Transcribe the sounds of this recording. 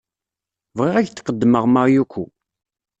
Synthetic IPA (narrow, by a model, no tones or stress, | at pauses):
vʁɪʁæʝθqəd̪ːməʁməʁjukʷːu